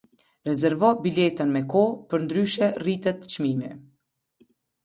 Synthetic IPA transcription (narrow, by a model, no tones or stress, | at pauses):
ɾɛzɛɾvɔbilɛt̪ənmɛkɔpəɾnd̪ɾyʃɛrit̪ɛt̪t͡ʃmimi